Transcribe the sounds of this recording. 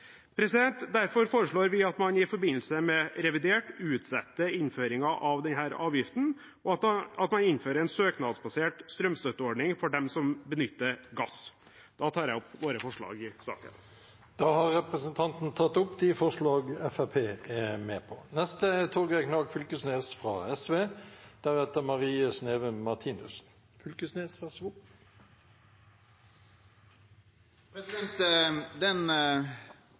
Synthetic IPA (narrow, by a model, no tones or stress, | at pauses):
pʰɾɛsɪd̪ɛnt̪d̪æɾfɔɾfoːɾəʂɭoːɾʋɪɑt̪mɑnɪfɔɾbɪnːl̩səmɛɾɛʋɪd̪eːʈʉːt̪sɛt̪ːəɪnføːɾɪŋɑʔɑʋd̪ɛnɦæːɾɑːʋjɪft̪n̩ | ɔɑt̪mɑnɪnːføːɾəɛnsøːknɑd̪sbɑseːʈst̪ɾœmst̪œt̪ːəɔɖɳɪŋfɔɖɛmsɔmbənʏt̪ːəɾɡɑs | d̪̥ɑːt̪ʰɑːɾjæɪɔpːʋoːɾəfɔʂɭɑ̰ːɡɪsɑ̰ːkə̰n | d̪̥ɑːhɑʁɛpʁəsənt̪ʰɑnt̪nt̪ʰɑt̪ːʊpːd̪ɪfɔʁʂlɑːɡɛfæpʰeːɛmeːpʰɔnɛst̪əɛt̪ʰɔɾɡɛknɑːɡfʏlkəsneːsfʁɑ̰ɛsʋeːd̪̥æɾɛt̪əmɑʁiːəsneːʋəmɑʁt̪ʰiːnʉ̰s | fʏlkəsneːsfɑsʋu | pʰɾɛsɪɛnt̪d̪ɛn